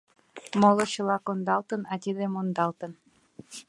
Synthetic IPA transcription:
molˠŏɕɤ̆lɑkond̪ɑlt̪ə̆nɑt̪ʲid̪emond̪ɑlt̪ɤ̆n

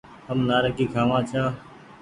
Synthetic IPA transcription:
ɦəmnaːɾəkiːkʰaːʋãːt͡ʃʰaː

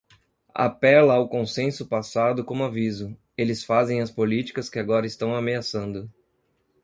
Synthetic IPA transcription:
a̰pɛlɐːwkõsẽsʊpasad̪ʊkõmʊavizʊ | elɪsfazẽj̃ɐspolit͡ʃi̥kɐskɪaɡɔɾɐɪst̪ɐ̃w̃ameasɐ̃nd̪ʊ

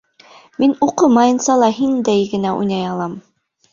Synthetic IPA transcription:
minuqɤmɑjɤ̆nsɑlˠɑɦind̪æjɡɘ̆næʔṵjnɑjɑlˠɑm

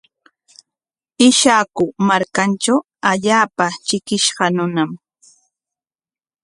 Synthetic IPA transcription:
ɪʃaːkʊmaɾkanʈ͡ʂaw | aʎaːpat͡ʃɪkɪʃɢɑnʊnam

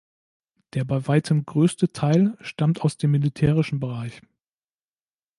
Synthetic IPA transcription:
d̥eːɐbaɪvaɪtʰəmɡʁøːstətʰaɪlʃtamtaʊsd̥eːmːilitʰɛːʁ̞ɪʃn̩bəʁ̞aɪç

